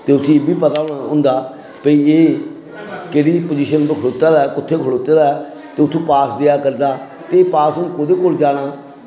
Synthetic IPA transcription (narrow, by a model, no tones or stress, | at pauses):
t̪eːʊsĩːebiːpət̪aːonaːɦʊ̃nd̪aː | pəiːeː | keːɽiːpod͡ʒiːʃənbəkʰloːt̪aːd̪aːɛkʊt̪ʰːeːkʰəɭoːt̪aːd̪aːɛ | t̪eːʊt̪ʰːõːpaːsd̪ejaːkəɾd̪aː | t̪eːpaːsʊnũːkoːd̪eːkoːld͡ʒaːɽaː